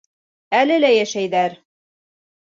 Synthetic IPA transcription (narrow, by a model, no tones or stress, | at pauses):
ælɘlæjæʃæjðæɾ